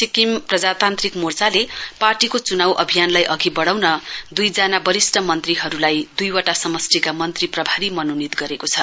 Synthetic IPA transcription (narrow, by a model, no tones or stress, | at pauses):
sikimprʌd͡zat̪ant̪rikmort͡saleparʈikot͡sunawʔʌ̰bʱijanlajʔʌɡibʌɽawnʌd̪ujd͡zanabʌɾisʈʰʌmʌnt̪riɦʌɾulajd̪ujwaʈasʌmʌsʈikamʌnt̪riprʌbʱaɾimʌnonit̪ɡʌɾekot͡sʰʌ